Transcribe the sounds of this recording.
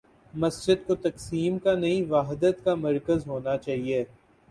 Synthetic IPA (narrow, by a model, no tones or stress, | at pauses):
mɐsd͡ʒɪd̪kot̪ɐksiːmkanɐɦĩʋaːɦd̪ət̪kamɐɾkəzɦoːnat͡ʃaːɦieː